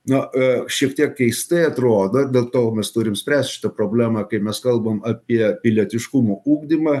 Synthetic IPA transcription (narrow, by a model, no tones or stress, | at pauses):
nʊʃʲiɛkt̪ʲiɛkkʲɛɪst̪ɐɪɐt̪ɾoːd̪oːd̪ʲeːlˠt̪oːmʲɛst̪uːɾʲɪmsʲpʲɾʲæːsʲt̪ʲʃʲɪ̥t̪ɐpɾoːbʲlʲæːmɑkɐɪmʲɛskɐlˠbɐmɐpʲiɛpʲɪlʲiɛt̪ʲɪʃkʊmouːɡd̪ʲimɐ